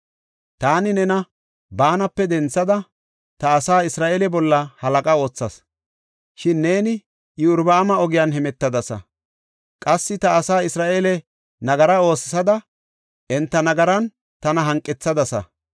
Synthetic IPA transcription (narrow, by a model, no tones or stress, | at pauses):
t̪aːnɪnɛnɐ | baːnɐpːɛd̪ɛnt͡sːɐd̪ɐ | t̪ɐːsaːɪsɾaːʔeːlɛbɔlːɐhɐlɐkʼɐo̞ːt͡sːɐs | ʃɪnːe̞ːnɪ | ʔɪʊɾbɐːmɐɔɡɪjanɦɛmɛt̪ːɐd̪ɐsɐ̰ | kʼɐsːɪt̪ɐːsaːɪsɾaːʔeːlɛ | nɐɡɐɾɐo̞ːsɪ̥sɐd̪ɐ | ʔɛnt̪ːɐnɐɡɐɾɐn | t̪ɐnɐɦɐŋkʼːɛt͡sːɐd̪ɐsɐ̰